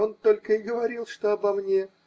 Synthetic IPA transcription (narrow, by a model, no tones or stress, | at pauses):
o̞nt̪o̞lʲkəɪɡəvɐɾʲilˠʂt̪oɐbɐmnʲe